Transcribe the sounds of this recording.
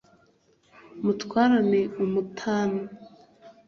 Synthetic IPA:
mutwaːɾaneumutʰaːno

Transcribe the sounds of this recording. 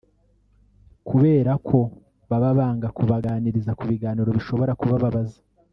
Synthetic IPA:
kuβe̞ːɾakʰo̞ | βaβaβaːŋɡakuβaɡaːniɾizakuβiɡaːniɾo̞βiʃo̞βo̞ɾakuβaβaβazḁ

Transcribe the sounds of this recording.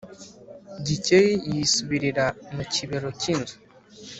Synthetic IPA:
ɟicejijisuβiɾiɾamuciβeɾo̞ciːnzu̥

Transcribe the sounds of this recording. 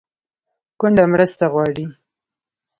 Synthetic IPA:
kʊɳɖamɾəst̪aɣwɑɽi

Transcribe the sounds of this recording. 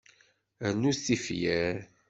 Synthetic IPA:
nuθifjæɾ

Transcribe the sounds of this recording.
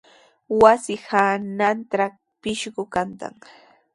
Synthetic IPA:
wasɪhanant̪ɾa | pɪʃɢʊkant̪a̰ŋ

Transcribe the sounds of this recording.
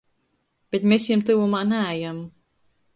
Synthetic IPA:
b̥ʲet̪mʲesjimt̪ɨvumaːnææjam

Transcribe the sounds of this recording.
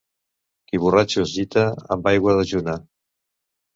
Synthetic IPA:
kiβ̞urat͡ʃuzit̪əə̰mbajɣwəðəʒuna

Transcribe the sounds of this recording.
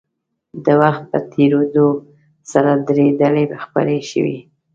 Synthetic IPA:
d̪əwaxt̪̚pə̰t̪ʰeɾod̪o | saɾad̪ɾed̪əlebaxpə̰ɾeʃə̰wḭ

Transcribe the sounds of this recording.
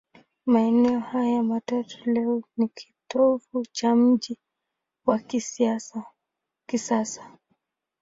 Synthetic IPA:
maɛnɛɔhajamatatulɛɔnikʰi̥tɔvut͡ʃam̩ʄi | wakisiasa | kisasḁ

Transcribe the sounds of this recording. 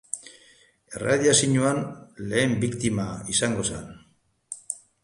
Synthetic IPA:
e̞̰raðjasiɲuanle̞ːmbikt̪imaisaŋɡo̞sa̰n

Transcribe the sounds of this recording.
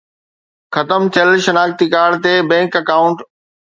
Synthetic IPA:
xɐt̪əmt̪ʰijəlʃɐnaːkt̪ikaːɽt̪ebɛ̃ːŋkɐkaːʊ̃ɳʈ

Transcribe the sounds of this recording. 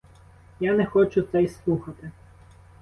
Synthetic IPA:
janɛxɔt͡ʃʊt̪sɛjslˠuxɐt̪ɪ

